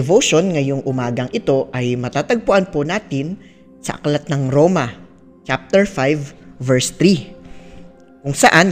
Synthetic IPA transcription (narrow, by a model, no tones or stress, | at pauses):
ɛvoʃo̞nŋɐjoŋʔʊmaːɡɐŋʔɪt̪o̞ʔɐjmɐt̪aːt̪ɐɡ̚pʊʔanponaːt̪ɪn | sɐ̰ʔɐ̰klat̪̚nɐŋɾoːmɐ | t͡ʃap̚t̪ɛɹfajvːɛɹst̪ɾi | kʊŋsɐʔan